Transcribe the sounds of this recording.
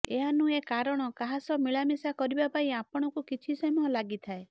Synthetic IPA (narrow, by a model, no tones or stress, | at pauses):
eɦanũekaɾɔɽ̃ɔkaɦasɔmiɭamisakɔɾibapaĩapɔɽ̃ɔkukit͡ʃʰisɔmɔlaɡit̪ʰae